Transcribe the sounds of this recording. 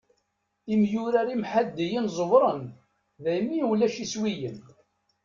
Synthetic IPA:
imjuɾaɾimħad̪ːijənzˤəvɾˤən | ðæjmːiwlæʃiswijən

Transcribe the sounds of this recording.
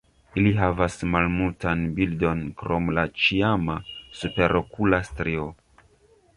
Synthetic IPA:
iliɦavasmalmultanbildo̞nkɾo̞mlat͡ʃiamasupe̞ɾo̞kulastɾio

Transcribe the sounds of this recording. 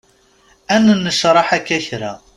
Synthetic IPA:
ænːnːəʃɾˤɑħækːæçɾa̰

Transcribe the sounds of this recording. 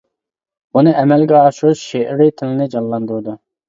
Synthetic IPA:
bunɨɛmɛlɡʲɛɑʃuʃʃeʔɾɪt̪ʰɪlɪnɪd͡ʒɑllːˠɑnd̪uɾɨd̪u

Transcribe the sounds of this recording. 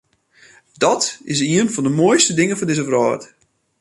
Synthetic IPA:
dɔtɪs̬iənfɔndəmuəjstədɪŋənfɔndɪzəvrɔːt

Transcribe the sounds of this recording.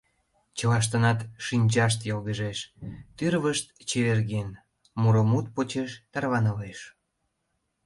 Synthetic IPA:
t͡ɕəlɑʃ̬t̪ənɑt̪ʃinʲd͡ʑɑʃ̬t̪jolɣəʒeʃt̪yrβəʃt̪t͡ɕeβerɣen | muɾomut̪̚pot͡ɕeʃt̪ɑrβɑnəleʃ

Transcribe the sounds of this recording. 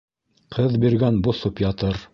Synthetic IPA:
qʰɤðbiɾɡænbŏθopjɑt̪ɤɾ

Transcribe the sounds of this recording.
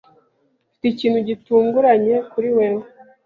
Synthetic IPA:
fi̥ticiːnhuɟituːŋɡuɾaɲe̞kuɾiweɾo

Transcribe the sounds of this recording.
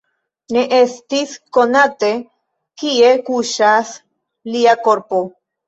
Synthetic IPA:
neʔest̪iskonat̪e̞ | kiekuʃas | liako̞ɾpo

